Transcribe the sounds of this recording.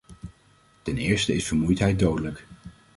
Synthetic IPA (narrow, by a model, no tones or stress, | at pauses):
tɛnɪːɹstəɪsfəɹmujtɦɛj̚dowdələk